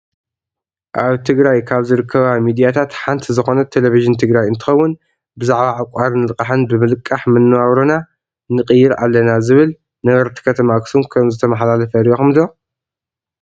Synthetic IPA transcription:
ʔaβt̪ʰɨɡɾajkʰaβzɨɾɨkʰːɐβamid̪ijat̪ʰat̪ħant̪ʰizɨxo̞nɐt̪ʰeleviʒɨnt̪ʰɨɡɾajɨnt̪ʰɨ̥xɐwːʊn | bɨzaʕβaʕakʷʼaɾnɨlɨkʼaħɨnbɨmɨlɨkʼːaħmɨnːɨwaβɾona | nɨqʼɨjːɪɾa̰lːɐnazɨβɨl | nɐɡɐɾt̪ʰi̥kʰɐt̪ʰɐmaɡsunkʰɐmzɨt̪ʰɐmɐħlalɐfɐɾijoxɨmd̪o

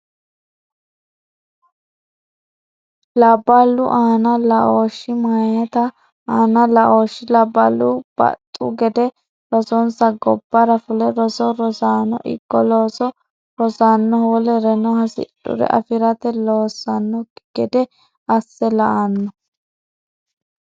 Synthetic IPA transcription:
lɐbːɐlːʊ̰ʔaːnɐlɐʔoːʃːɪmajɛt̪ɐ | aːnɐlɐʔoːʃːɪlɐbːɐlːʊb̥ɐ̰t̪ʼːṵɡɛd̪ɛ | ɾɔsɔnsɐɡɔbːɐɾɐfʊlɛɾɔsɔɾɔsaːnɔ̰ʔɪ̰ɡ̥ːɔloːsɔ | ɾɔsanːɔholɛɾɛnɔhɐsɪ̰ɗʊ̰ɾɛ̰ʔɐ̰fɪɾɐt̪ɛloːsːɐnːɔɡ̥ɛd̪ɛ | ɐsːɛlɐʔanːɔ

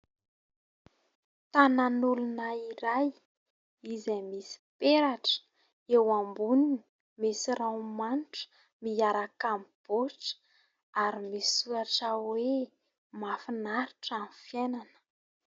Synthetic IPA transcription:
t̪ananulunaiɾaj | izemisi̥peɾaʈ͡ʂə̥ | ewambunini | misiɾawmanʈ͡ʂə̥ | miaɾakamib̥oʈ͡ʂə̥ | aɾimisuɾaʈ͡ʂawe | mafinaɾuʈ͡ʂanifjenanə̥

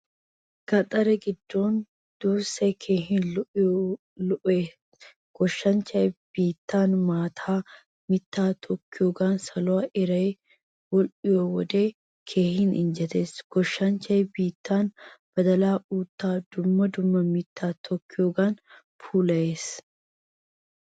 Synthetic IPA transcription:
ɡ̥ɐt̪ʼɐɾɛɡɪd̪ːo̞ːn | d̪̥uːsɐjkʰeːɦɪnlʊʔɪ | lʊʔeː | ɡ̥ɔʃːɐnt͡ʃɐjb̥iːt̪ːaːnmaːt̪ʰaː | mɪt̪ːaːt̪ʰɔkːɪjoːɡaːnsɐlɔaʔɪɾɐj | wɔlʔɪjowɔd̪e̞ː | kʰe̞ːhɪnɪ̰nd͡ʒɛt̪e̞ːsɡ̥ɔʃːɐnt͡ʃɐjbiːt̪ːaːnb̥ɐd̪ɐlaːʔuːt̪ːaːd̪ʊmːɐd̪ʊmːɐmɪt̪ːaːt̪ʰɔkːɪjoːɡaːn | fʰuːlɐje̞ːs

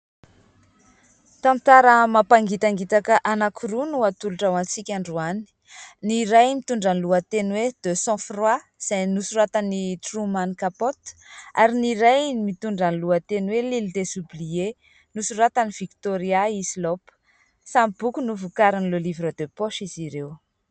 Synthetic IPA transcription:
t̪ãnt̪aɾəmapaŋɡit̪aŋɡit̪akəʔanakʰuɾunuat̪uluʈ͡ʂawant͡sikʲãɳɖ͡ʐuanii̥ | niɾajmit̪uɳɖ͡ʐanluat̪enwed̪̥øsɔ̃frwa | z̥ajnusuɾat̪anit̪rumanikapot̪aɾiniɾajmit̪uɳɖ͡ʐanluat̪enwelild̪esublie | nusuɾat̪aniviki̥t̪oɾiaizilopə̥ | samb̥ukunuvukaɾinlolivɾəd̪øpoʃiziɾew

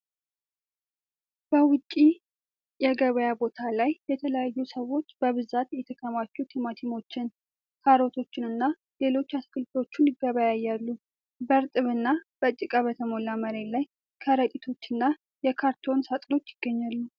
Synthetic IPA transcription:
b̥əwʊt͡ʃʼːi | jɛɡəβəjabo̞t̪ʰalajːɛt̪ʰələjajːusəwo̞t͡ʃːbəβɨzat̪jɛt̪ʰəkʰəmat͡ʃːut̪ʰimat̪ʰimo̞t͡ʃːɪn | kʰaɾo̞t̪ʰo̞t͡ʃːɪnɨnːa | le̞lo̞t͡ʃːaskɨlt̪o̞t͡ʃːunɪɡəβajajːalːu | bəɾt̪ʼɨβɨnːab̥ət͡ʃʼːɪkʼaβət̪ʰəmo̞laməɾe̞laj | kʰəɾət̪ʼit̪ʰo̞t͡ʃːɨnːa | jɛkʰaɾt̪ʰo̞nsat̪ʼlo̞t͡ʃːjɪɡ̥ːəɲːalːu

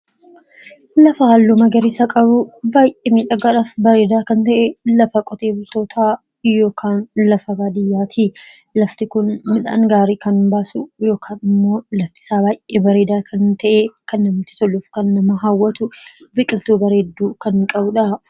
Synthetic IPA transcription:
lɐfɐhaːlːumɐɡɐɾɪsakʼɐbʊbaːjʔeːmiːᶑɐɡɐᶑɐfbɐɾe̞ːd̪aːkɐnt̪ɐʔɛlɐfɐkʼɔt̪e̞ːbɪt̪o̞ːt̪ʰaː | jo̞ːkʰaːnlɐfɐbaːd̪ɪjːaːt̪ʰiː | lɐft̪ɪkʊnmɪᶑa̰ːŋɡaːɾiːkɐnbaːsʊjo̞ːkʰaːnɪmːo̞ːlɐft̪ɪ̥saːbaːjʔeːbɐɾe̞ːd̪aːkʰɐnt̪ɐʔekɐnːɐmɪt̪ɪ̥t̪ɔlːʊfkɐnːɐmɐɦawːɐt̪ʊbɪkʼɪlt̪uːbɐɾeːd̪ːuːkɐŋkʼɐbʊᶑɐ

